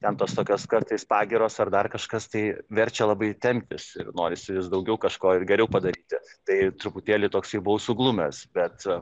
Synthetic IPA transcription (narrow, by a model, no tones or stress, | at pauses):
t̪ʲɛnt̪oːst̪oːkʲoːskɐrt̪ɐɪspɑːɡʲɪɾoːsɐrd̪ɐrkɐʃkɐst̪ɐɪʋʲɛɾʲt͡ʃʲɛlˠɐbɐɪt̪ʲɛmʲt̪ʲɪsɪnoːɾʲɪsʲɪʋʲɪsd̪ɐʊɡʲɛʊkɐʃkoːɪrɡʲɛɾʲɛʊpɐd̪ɐɾʲiːt̪ʲɪt̪ɐɪt̪ɾʊpʊt̪ʲeːlʲɪt̪oːksɪbʊʋɐʊsʊɡlˠʊmʲɛsbʲɛt̪